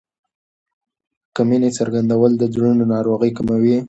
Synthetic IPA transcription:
kaminet͡saɾɡand̪awəld̪əd͡zɽunonɑɾoɣəjkamawi

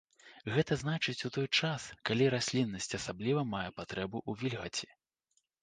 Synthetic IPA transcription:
ɣɛt̪ɐznat͡ʂɨt͡sʲut̪ɔjt͡ʂaskalʲiɾasʲlʲinːɐsʲt͡sʲɐsablʲivɐmajɛpat̪ɾɛbuʔuvʲilʲɣɐt͡sʲi̥

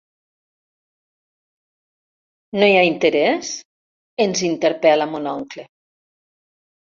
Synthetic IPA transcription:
nojaint̪eɾɛs | enzint̪eɾpɛlamunɔŋkle

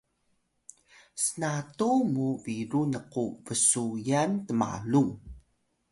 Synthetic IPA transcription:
sənatumuviɾunəquvəsujantəma̰lu

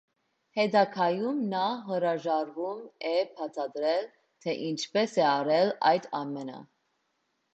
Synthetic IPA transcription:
hɛd̪ɑkʰɑjumnɑɦəɾɑʒɑɾvumɛpʰɑt͡sʰɑd̪ɾɛl | t̪ʰɛʔint͡ʃʰpɛsɛɑɾɛlɑ̰jd̪ɑmɛnə̰

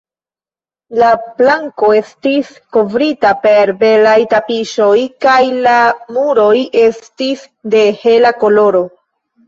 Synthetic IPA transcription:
laplaŋko̞e̞stis | ko̞vɾitape̞ɾbe̞lajtapiʃo̞jkajlamuɾo̞je̞stis | de̞he̞lako̞lo̞ɾo̞

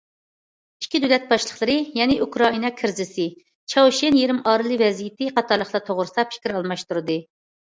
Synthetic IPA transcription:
i̥kʲʰːid̪ølɛt̪̚bɑʃlˠəχlˠɨɾɨjɛnɪʔukɾɑinɑkʲʰɪɾzɪsɪ | t͡ʃʰɑwʃenjeɾɪmɑːɾɨlˠɨvɛzijɪt̪ɪqɑt̪ʰɑɾlˠəχlˠɑt̪ʰoʁɾɨsɑpfʰi̥kʲiɾɑlˠmɑʃt̪uɾɨd̪ɨ

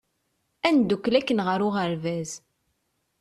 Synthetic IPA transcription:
ænd̪ukːlækːənʁəɾʊʁəɾvæz

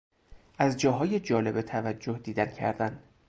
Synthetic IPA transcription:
ʔæzd͡ʒɒːɦɒːje̞d͡ʒɒːle̞bet̪ʰævæd͡ʒːohd̪iːd̪æncʰæ̰ɾd̪æn

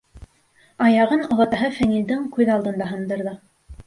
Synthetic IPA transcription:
ɑjɑʁɤnŏlˠɤ̆t̪ɑɦɤfæŋild̪ɘŋkʉðɑlˠd̪ɤ̆nd̪ɑɦɤ̆nd̪ɤ̆ɾðɤ

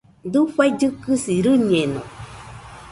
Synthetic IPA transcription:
d̪uɸaid͡ʒɨkɨsiɾɨɲenõ̰

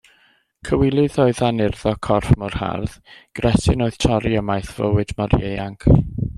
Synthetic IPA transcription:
kʰəwɪlˠɨðoːɨðanɪrðɔkʰɔrfmɔrha̰rðɡ̥rɛsɪnoːɨð̥tʰɔɾiəmajθv̥ə̰wɨdmɔɾejaŋkʰ

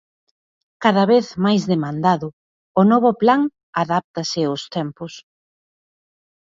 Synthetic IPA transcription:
kaðaβeθmajzðemãnd̪aðʊ | ʊnɔβʊplaŋ | aðap̚t̪asɪʊst̪ɛmpʊs

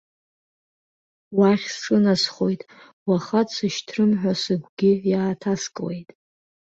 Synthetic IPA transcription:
waχʲsɨnasχo̞jtʼ | waχatʼsɨʃtʰrɨmħᶣʷasɨɡʷɡʲɪvjaːtʰaskʼwḛjtʼ

